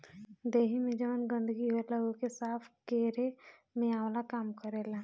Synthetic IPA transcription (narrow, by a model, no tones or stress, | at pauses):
d̪eːɦimẽd͡ʒəʋənɡə̃nd̪əɡiɦolaokesaːpʰkeɾemẽaːwlakaːmkəɾela